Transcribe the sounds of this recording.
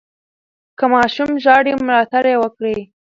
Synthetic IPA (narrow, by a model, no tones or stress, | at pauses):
kəmɑʃumʒɑɽimlɑt̪aɾjewəkɽe